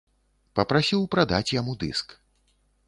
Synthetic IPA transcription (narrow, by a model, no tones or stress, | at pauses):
pɐpɾasʲiwpɾad̪at͡sʲjamud̪ɨ̰sk